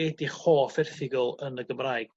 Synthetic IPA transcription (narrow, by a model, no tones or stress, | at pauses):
ediχoːfɪrθɪɡɔlˠənəɡəmraːjɡ